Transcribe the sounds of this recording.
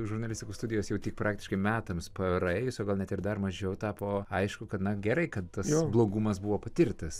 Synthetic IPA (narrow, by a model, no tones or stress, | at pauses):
ʒʊrnɐlʲɪsʲtʲɪkuːst̪ʊdʲɪjoːsjɛʊt̪ʲɪk̚pɾɑːk̚t̪ʲɪʃkɐɪmʲæːt̪ɐmspɐɛɾɐɛːjʊsoːɡɐlˠnʲɛt̪ɪɾd̪ɐrmɐʒʲɛʊt̪ɑːpoːɐɪʃkʊkɐt̪nɐɡʲɛɾɐɪkɐt̪t̪ɐsoblˠoːɡumɐsbuʋoːpɐt̪ʲɪrt̪ɐs